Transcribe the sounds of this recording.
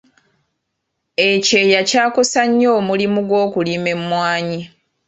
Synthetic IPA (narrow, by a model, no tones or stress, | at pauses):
ece̞jacaːko̞saɲːo̞ːmulimuɡwo̞ːkulime̞mːwaːɲi